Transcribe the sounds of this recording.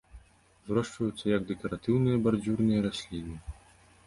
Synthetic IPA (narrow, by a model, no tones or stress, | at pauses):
zrɔʂt͡ʂɐjut̪sːɐjɐɡd̪ɛkɐɾat̪ɨwnɨjɐbard͡zʲurnɨjɐɾasʲlʲinɨ